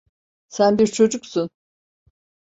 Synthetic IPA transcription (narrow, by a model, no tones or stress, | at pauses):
sænbiɾt͡ʃʰo̞d͡ʒuksun